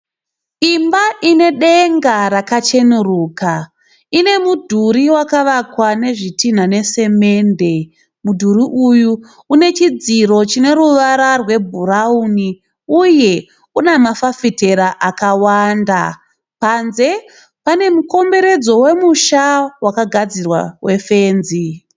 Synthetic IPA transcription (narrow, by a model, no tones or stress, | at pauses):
imbaʔine̞ɗeŋɡaɾakat͡ʃe̞nuruːka | ine̞mudʱuɾiwakaʋakwane̞ʐitin̤ane̞se̞me̞nde̞ | mudʱuriʔuju | une̞t͡ʃid͡ziɾo̞t͡ʃine̞ɾuʋaɾarwe̞bʱurauni | uje̞ | unamafafite̞ɾaʔakawanda | panze̞ | pane̞muko̞mbe̞ɾe̞d͡zo̞we̞muʃawakaɡʱad͡zirwa̰we̞fe̞ːnzi